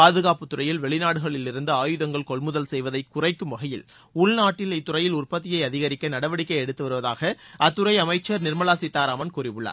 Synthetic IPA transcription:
paːðɯɣaːpɯt̪ːʊrɐjɪlʋɛɭɪnaːɽɯɣɐɭɪlːɪɾɯnd̪ɯaːjɯðɐŋɡɐɭkɔɭmʊðɐlsɛjʋɐðɐɪkːʊrɐɪkːɯmʋɐɣɐjɪl | ʊɭnaːʈːɪlɪt̪ːʊɾɐjɪlʊrpɐt̪ːɪjɐɪɐðɪɣɐɾɪkːɐnɐɽɐʋɐɽɪkːɐɪɛɽɯt̪ːɯʋɐɾɯʋɐðaːɣɐɐt̪ːɯɾɐɪɐmɐɪt͡ʃːɐɾnɪɾmɐlaːsɪt̪ːaːɾaːmɐnkuːrɪʋɯɭːa̰ɾ

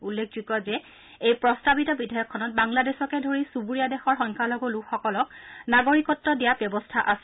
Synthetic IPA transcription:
ulːek̚ʰzikɔzɛ | ejpɹɔstabitɔbidʱajɔkʰːɔnɔt̚baŋladɛsɔkɛdʱoɹisubuɹijadɛxɔɹxɔŋkʰaloɡʊlukʰxɔkɔlɔk̚naɡoɹikɔtːɔdijabjɔbɔstʰaʔas

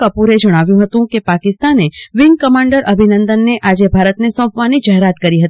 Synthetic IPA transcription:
apuɾed͡ʒɐɽ̃aːʋjũɦɐt̪ũkepaːkɪst̪aːneʋɪ̃ŋɡ̚kɐmãːɳɖəɾʔɐbʱɪnə̃nd̪ənːeʔaːd͡ʒebʱaːɾət̪nesə̃ːpʋaːnid͡ʒɐɦɾaːt̪kəɾiɦɐt̪i

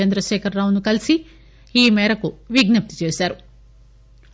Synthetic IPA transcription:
ɐnd̪ɾɐʃɛːkʰɐɾːaːwunukɐlisi | iːmɛːɾɐkuʋiɡnɐp̚t̪i̥t͡ʃeːsaːɾu

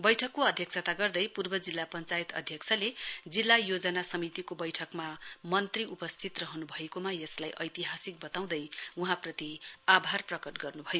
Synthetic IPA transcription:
bʌjʈʰʌkːoʌd̪ʱjʌksʰʌt̪aɡʌrd̪ʌjpurbʌd͡zilːapʌnt͡sajt̪ʌ̰d̪ʱjʌksʰʌled͡zilːajod͡zʌnasʌmit̪ikobʌjʈʰʌkmamʌnt̪riʔupʌst̪ʰit̪rʌɦʌnubʱʌekomajʌslajʔʌ̰jt̪iɦasik̚bʌt̪aw̃d̪ʌjuɦãprʌt̪iabʱarprʌkʌʈɡʌrnubʱʌjo

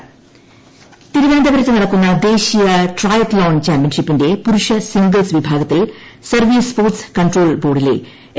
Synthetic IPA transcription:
t̪iɾuʋeːnd̪ʱɐʋɐɾɐt̪ːɨnɐɽɐkːunːɐd̪e̞ːɕijɐʈrɐjɐt̪loːnt͡ɕaːmpijɐnʂipːinde̞puɾuʂɐsiŋɡɐlsʋibʱaːɡɐt̪ːilsɐrʋiːspoːrʈskɐɳɖro̞ːlbo̞ːɽilḛ

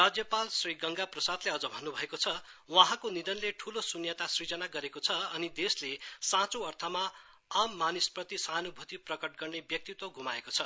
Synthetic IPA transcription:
rad͡zjʌpalsriɡʌŋɡaprʌsad̪leʌd͡zʌbʱʌnːubʱʌekot͡sʰʌwaɦãkonid̪ʌnleʈʰulosunjʌt̪asrid͡zʌnaɡʌɾekot͡sʰʌʌnid̪eslesãt͡soʌrt̪ʰʌma | amːanisprʌt̪isanubʱut̪iprʌkʌʈ̚ɡʌrnebjʌk̚t̪it̪woɡʱumaekot͡sʰʌ

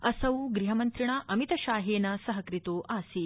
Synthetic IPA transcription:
ɐsɐwɡɾiɦɐmɐnt̪ɾiɳ̃aːʔɐmit̪ɐʃaːɦeːnɐsɐɦɐkɾit̪oːʔaːsi

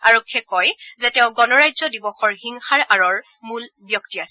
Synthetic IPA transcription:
aɹɔkʰːɛkɔjzɛtɛʊ̃ɡɔnɔɹajzɔdibɔxɔɹhiŋxaɹaɹɔɹ | mul | bjɔktias

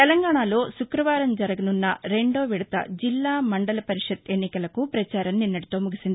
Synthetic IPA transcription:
t̪ɛlɐŋɡaːɳaːlo̞ːʃukɾɐʋaːɾɐmd͡ʒɐɾɐɡɐnunːɐ̰ɾe̞ɳɖo̞ːʋiɽɐt̪ɐ̰d͡ʒilːaːmɐɳɖɐlɐpɐɾiʂɐd̪e̞nːikɐlɐkupɾɐt͡ʃaːɾɐmninːɐɽit̪oːmuɡisind̪i

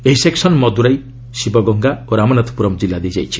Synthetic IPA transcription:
eɦiseksɔnmɔd̪uɾaj | sibɔɡɔŋɡaoɾamɔnat̪ʰɔ̥puɾɔmd͡ʒilːad̪ejd͡ʒa̰jt͡ʃʰi̥

